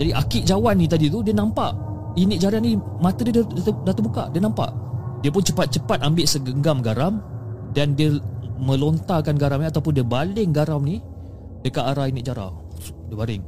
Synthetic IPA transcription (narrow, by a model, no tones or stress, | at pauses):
d͡ʒadiʔakɪʔ̚d͡ʒawanːĩt̪̬adit̪udiənampaʔ | inɪt̪̚d͡ʒaɾanĩmat̪ədiəd̪dat̪əmuka̰ʔdiənãmpa̰ʔdiəp̬ʊnt͡ʃəpat̪̚t͡ʃəpat̪̚ambɪʔsəɡəŋɡamɡaɾamdandiəmə̃lont̪akanɡaɾamniat̪awpʊndiəbalɪŋɡaɾawni | dəkaʔaɾainɪt̪̚d͡ʒaɾa̰w | diəbalɪŋ